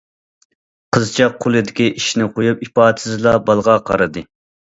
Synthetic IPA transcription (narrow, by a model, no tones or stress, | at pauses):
qʰəzt͡ʃʰɑq̚ʰːolˠɨd̪ɪkʲiʔiʃnɪqʰojup̚ipɑːt̪ʰɨzlˠɑbɑlˠʁɑqʰɑ̰ɾɨd̪ɨ